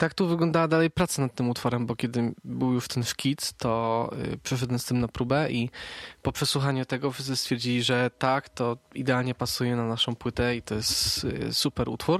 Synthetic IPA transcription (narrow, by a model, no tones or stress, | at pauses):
t̪akt̪uvɘɡlɔ̃nd̪awad̪alɛjpɾat̪sanat̪̚t̪ːɘmut̪fɔɾɛmbɔkʲɛd̪ɘbɘwjuʂt̪ɛnʂkʲit̪t̪ɔ̰pʂɛʂ̬ɛd̪ɛnst̪ɘmnapɾubɛʔipɔpʂɛswuxaɲut̪ɛɡɔfʂɘ̥sɘst̪fʲjɛɾd͡ʑilʲiʐɛt̪akt̪ɔid̪ɛalɲɛpasujɛnanaʂɔ̃w̃pwɘt̪ɛit̪ɔjɛst̪supɛɾṵt̪fuɾ